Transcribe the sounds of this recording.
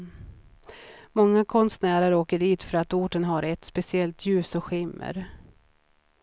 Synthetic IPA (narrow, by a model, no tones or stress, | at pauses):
mɔŋːakʰɔnst̪næːɾəɾoːkəɖiːt̪fœɾat̪uːʈənɦaɾɛt̪spɛsɪɛlt̪ʰjʉ̟ːsɔɧɪmːə̰ɾ